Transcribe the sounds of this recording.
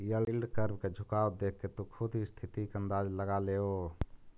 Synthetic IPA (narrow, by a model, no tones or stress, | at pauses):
jəlilɖkəɾbked͡ʒʱukaod̪ekʰːet̪ukʰud̪ʱɦist̪ʰit̪ikeənd̪ad͡ʒləɡaleo